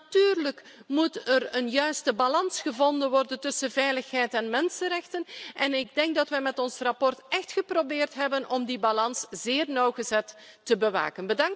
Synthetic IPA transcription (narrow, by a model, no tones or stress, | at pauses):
tyːrlək | mutərənjœɥstəbalɑnsχəvɔndənʋɔrdəntɵsəvɛjləxɦɛjtɛnmɛnsənrɛxtənʔɛnɪɡ̚dɛŋk̚dɑtʋɛjmɛtɔnsrɑpɔrtɛxtxəprobɪːrtɦɛbənʔɔmdibalɑnsz̥ɪːrnɔwɣəzɛtː | əbəʋa̰ːkənbədɑŋ